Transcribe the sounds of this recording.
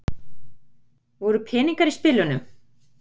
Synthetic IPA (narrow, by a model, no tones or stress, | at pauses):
vɔɾʏpʰɛːniŋkaɾispɪlʏnʏm